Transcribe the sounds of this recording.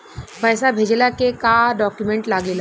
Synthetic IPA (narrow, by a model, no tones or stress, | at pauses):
bəjsabʱed͡ʒlakekaɖɔkjumeɳʈlaɡela